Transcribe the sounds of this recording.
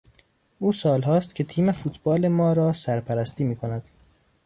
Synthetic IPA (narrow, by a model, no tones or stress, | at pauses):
ʔuːsɒːlɦɒːst̪cʰe̞t̪ʰiːmefuːt̪ʰbɒːle̞mɒːɾɒːsæɾpʰæɾæst̪iːmiːkʰonæd̪̥